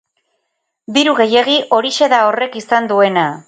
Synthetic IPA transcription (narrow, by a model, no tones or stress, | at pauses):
d̪iɾuɣe̞je̞ɣ̞iʔo̞ɾiʃe̞ðao̞re̞kisand̪ue̞na